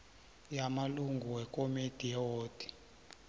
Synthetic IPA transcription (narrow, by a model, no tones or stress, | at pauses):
jamaluŋɡʱuwɛkʼomid̥ʱijɛwoːd̥ʱi̥